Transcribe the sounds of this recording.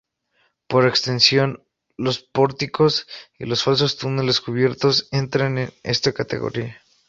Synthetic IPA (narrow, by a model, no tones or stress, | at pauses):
po̞ɾekst̪e̞nsjo̞n | lo̞spo̞ɾt̪iko̞sḭlo̞sfals̬o̞st̪une̞leskuβ̞je̞ɾt̪o̞se̞nt̪ɾanenḛst̪ekat̪e̞̰ɣo̰ɾia